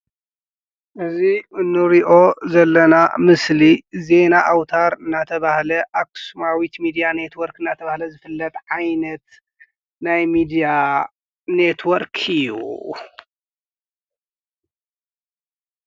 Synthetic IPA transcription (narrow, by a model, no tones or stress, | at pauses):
ʔɨziɨnːɨɾiʔo̞zɐlːɐna̰mɨslize̞naʔawt̪ʰaɾɨnːat̪ʰɐβahlɐʔaksumawit̪mid̪ijane̞t̪wɐɾkɨnːat̪ʰɐβahlɐzɨfɨlːɐt̪ʼʕajnɐt̪ | najmid̪ija | ne̞t̪ʰwɔɾkʰɨjːṵ